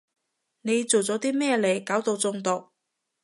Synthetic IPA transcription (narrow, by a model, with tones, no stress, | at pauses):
ne˨˧jt͡so˨wt͡sɔː˨˥t̪iː˥mɛː˥˧le˨˩jkaː˨˥wt̪o˧wt͡sʊ˧ŋt̪ʊ˨k̚